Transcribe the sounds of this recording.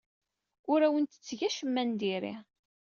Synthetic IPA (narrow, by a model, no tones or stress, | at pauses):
ʊɾæwənt̪ə̥t͡sːʝæʃəmːænd̪iɾḭ